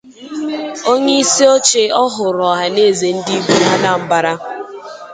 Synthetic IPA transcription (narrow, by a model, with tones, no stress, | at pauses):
o˦ɲe˦i˦si˦o˦t͡ʃe˦ɔ˦ɦʊ˨ɾɔ˨ɦa˨ne˦˨ze˨n̩˦di˦bu˦ɦa˦na˨m̩˦ba˨ɾa˦